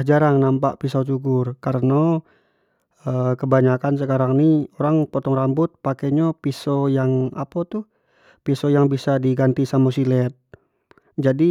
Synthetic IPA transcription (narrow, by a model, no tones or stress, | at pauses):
hd͡ʒaɾaŋnampaʔpisat͡ʃuɡʊrkaɾəno | əkəbaɲakans̬əkaɾaŋnioɾaŋpot̪ɔŋrambʊt̪̚pakeɲapisojaŋa̰pat̪u | pisojaŋbisadiɡant̪isamosilɛt̪̚ | d͡ʒadi